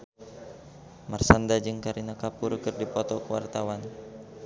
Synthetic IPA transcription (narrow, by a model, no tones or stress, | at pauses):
marsandad͡ʒɨŋkaɾinakapurkɨrdipɔt̪ɔkəwa̰rt̪awan